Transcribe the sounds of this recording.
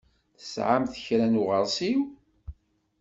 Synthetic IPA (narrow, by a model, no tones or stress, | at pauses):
θə̥sʕamθəçɾænuʁəɾˤsiw